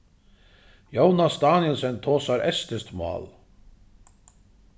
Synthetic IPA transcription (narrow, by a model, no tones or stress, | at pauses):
jownɑsd̪ɑːnjɛlsənt̪ʰoːsɑɾɛst̪əst̪mɑ̰ːl